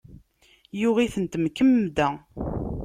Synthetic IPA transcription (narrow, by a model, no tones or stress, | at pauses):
jʊʁiθənt̪mkəmːd̪æ